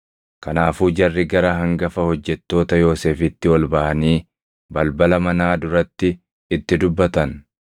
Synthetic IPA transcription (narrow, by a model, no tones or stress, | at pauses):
kɐnaːfuːd͡ʒɐrːɪɡɐɾɐɦɐŋɡɐfɐhɔd͡ʒːɛt̪ːo̞ːt̪ɐjo̞ːse̞ːfɪt̪ːɪwɔlbɐʔɐniː | bɐlbɐlɐmɐnaːd̪ʊɾɐt̪ːɪ | ɪt̪ːɪd̪ʊbːɐt̪ɐn